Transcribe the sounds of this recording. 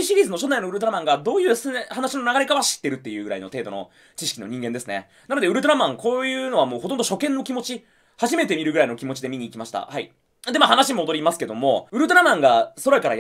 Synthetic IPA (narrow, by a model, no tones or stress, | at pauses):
ɕiɾʲiːzɨno̞ɕo̞naino̞ɯ̟ɾɯ̟t̪o̞ɾamãŋɡad̪o̞ːjɯ̟ːshanaɕino̞naɡaɾe̞kaβaɕi̥t̪ːe̞ɾɯ̟t̪ːe̞jɯ̟ːɡɯ̟ɾa̰ino̰t̪e̞ːd̪o̞no̰ | t͡ɕiɕi̥kʲino̞ɲ̟ĩŋɡend̪e̞sɨne̞̰ | nano̞d̪eɯ̟ɾɯ̟t̪̬oɾamãŋko̞ːjɯ̟ːno̞βamo̞ːho̞t̪õnd̪oɕo̞kẽ̞nːo̞kʲimo̞t͡ɕi | haʑime̞t̪e̞mʲiɾɯ̟ɡɯ̟ɾaino̞kʲimo̞t͡ɕid̪e̞mʲiɲ̟iːkʲimaɕi̥t̪a̰hai | d̪e̞mahanaɕimoːd̪o̞ɾʲimasɨ̥ke̞d̪o̞mo̞ɯ̟ɾɯ̟t̪̬oɾamãŋɡaso̞ɾaikaɾa̰j